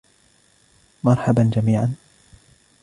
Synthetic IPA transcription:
mɑɾˤħaband͡ʒamiːʕan

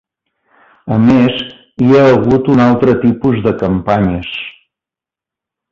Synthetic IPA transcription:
əmez | iaəɣut̪unalˠt̪ɾət̪ipuzðəkəmpaɲəs

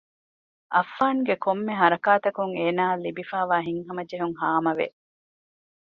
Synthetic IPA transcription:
ʔɐfːaːŋɡekomːeɦɐɾɐkaːt̪ɐkuŋeːnaːlːibifaːʋaːɦiŋɦɐmɐd͡ʒeɦuŋɦaːmɐʋḛ

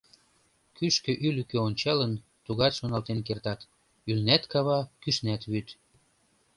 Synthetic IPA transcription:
kyʃkø̆ʔylykøonʲt͡ɕɑlən | t̪uɣɑt̪ʃonɑlt̪enk̬ert̪ɑt̪ | ylnæt̪kɑβɑkyʃnæt̪βyt̪

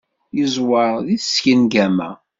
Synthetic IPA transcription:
jəzˤwɑɾðiθəsçənɡæmæ̰

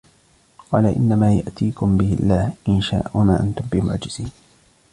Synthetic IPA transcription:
qɑːlaʔɪ̰nːamaːja̰ʔt̪iːkʊmbɪhɪlːaːhʔɪnʃa̰ːʔʊnaːʔant̪ʊmbɪmʊ̰ʕd͡ʒɪz̥iːn

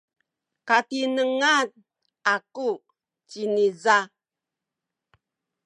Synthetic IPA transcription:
katinəŋan̚ | aku | t͡ʃiniza

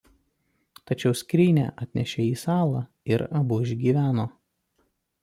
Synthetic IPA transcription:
t̪ɐt͡ʃʲɛʊsʲkʲɾʲiːnʲæ̰ʔɐt̪ʲnʲɛʃʲɛiːsɑːlˠɑː | ɪɾɐbʊɪʒʲɡʲiːʋʲæːnoː

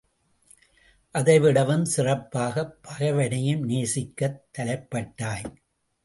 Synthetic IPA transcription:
ʔɐðɐɪʋɪɽɐʋɯmsɪrɐpːaːɣɐpːɐɣɐʋɐɽɐjɯmneːsɪkːɐt̪ːɐlɐɪpːɐʈːaːj

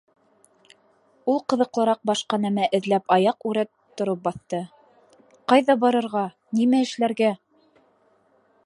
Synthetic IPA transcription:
ulˠqɤ̆ðɤ̆qlˠɤ̆ɾɑq̚bɑʃqɑnæmæʔɘ̆ðlæpɑjɑqʉɾæt̪ːŏɾɤp̚bɑθt̪ɤ | qɑjðɑbɑɾɤ̆ɾʁɑ | nimæɘ̆ʃlæɾɡæ

